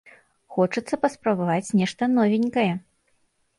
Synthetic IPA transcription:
xɔt͡ʂɨt̪sːɐpɐspɾɐbavat͡sʲnʲɛʂt̪ɐnɔvʲinʲkɐjɛ

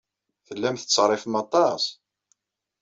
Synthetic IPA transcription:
θəlːæmθə̥t͡sːʁɾˤːɪfmɑt̪ˤɑsˤ

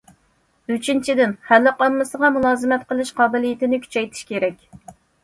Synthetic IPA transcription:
yt͡ʃʰint͡ʃʰid̪ɪnhælːɪqɑmːɨsəʁɑmulˠɑːzɨmɛt̪qəlˠɨʃqɑːbɪlijɪt̪ɪnɪkʲʰy̥t͡ʃʰɛjt̪ʰɪ̥ʃkʲʰeɾɛkʲ

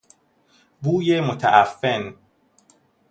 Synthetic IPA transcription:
buːjemot̪ʰæ̰ʔæfːen

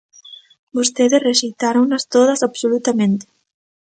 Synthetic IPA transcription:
bost̪eðesreʃejt̪aɾoŋnɐst̪oð̞ɐsaβsolut̪amẽnt̪e̥

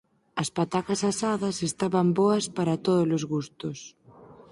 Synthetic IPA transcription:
ɐspat̪akɐsasaðɐsest̪aβɐmboɐspaɾɐt̪oð̞olozɣust̪ʊs

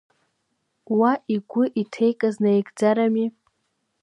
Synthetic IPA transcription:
waʔiɡʷʊʔitʰe̞jkʼaznaeɡʼd͡zaɾami

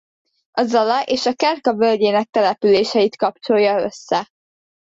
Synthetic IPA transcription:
ɒzɒlɒʔeːʃɒkɛrkɒvølɟeːnɛk̚t̪ɛlɛpyleːʃɛjit̪kɒpt͡ʃo̞jːɒø̞̰sːɛ

